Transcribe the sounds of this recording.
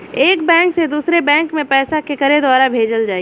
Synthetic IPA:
eːkbɛ̃ːŋksed̪uːsɾebɛ̃ːŋkmẽpɛːsakekəɾed̪waːɾabʱeːd͡ʒəld͡ʒaːi

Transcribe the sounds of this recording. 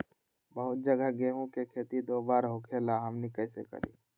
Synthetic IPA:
bəɦʊt̪̚d͡ʒəɡəɡeːɦõkekʰeːt̪id̪oːbaːɾɦokʰelaɦɐmnikɛːsḛkə̰ɾḭː

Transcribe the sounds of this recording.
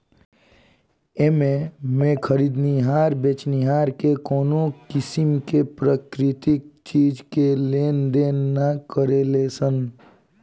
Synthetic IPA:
ememẽkʰəɾid̪niɦaːɾbet͡ʃniɦaːɾkekoːnokɪsimkepɾəkɾɪt̪ik̚t͡ʃiːd͡ʒkeleːnd̪eːnːakəɾelesən

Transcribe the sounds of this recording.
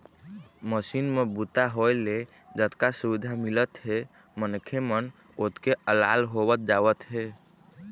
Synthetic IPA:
məsinmebut̪aɦojle | d͡ʒət̪kasuʋid̪ʱamilət̪ɦe | mənkʰemən | ot̪keəla̰lɦobət̪̚d͡ʒawət̪ɦe

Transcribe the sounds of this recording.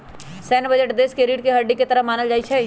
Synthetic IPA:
sɛːnbɐd͡ʒəʈd̪eːskeɾiːʈkeɦɐɖːiket̪ɐɾəmaːnəld͡ʒaːit͡ʃʰɛ

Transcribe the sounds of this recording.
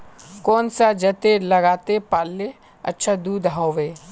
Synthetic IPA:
kɔːnsad͡ʒət̪eləɡaːt̪epaːlːe | ə̰tːʃʰad̪uːd̪ɦaːʋeː

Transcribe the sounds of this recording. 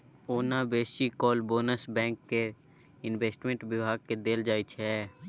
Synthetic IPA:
oːnabeːʃikɔːlboːnəsbɛ̃ːŋkːe | ɪnʋeːsʈmẽɳʈʋɪbʱaːɡ̚ked̪eːld͡ʒaːit͡ʃʰɛ

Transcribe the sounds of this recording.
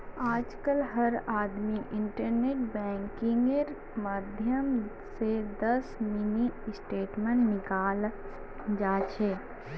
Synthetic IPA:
aːd͡ʒkəlɦɐɾaːd̪miʔɪ̃ɳʈəɾneːʈbɛ̃ːŋkɪ̃ŋɡeɾ | məd̪ʱjəm | sed̪ɐsminisʈeːʈmẽɳʈnɪkaːl | d͡ʒaːt͡ʃʰeː

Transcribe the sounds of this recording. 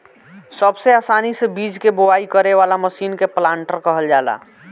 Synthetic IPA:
səbseaːsanisebid͡ʒkeboaikəɾeʋalaməsiːnkeplaːɳʈəɾkəɦəld͡ʒaːla̰

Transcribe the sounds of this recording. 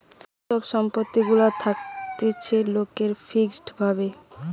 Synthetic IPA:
ʃɔbʃɔmpot̪ːiɡulat̪ʰak̚t̪et͡ɕʰelokeɾfʰiksʈbʱabe

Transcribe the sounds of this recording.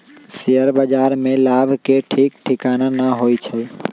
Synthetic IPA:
siəɾbəd͡ʒaɾmelabʱkeʈʰik̚ʈʰikananaɦojt͡ʃʰə

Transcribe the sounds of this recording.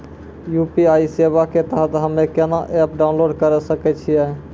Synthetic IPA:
jupiaisebaket̪əɦət̪ɦəmekenaʔep̚ɖaʊnloɖkəɾɛsəkɛt͡ʃʰijɛ

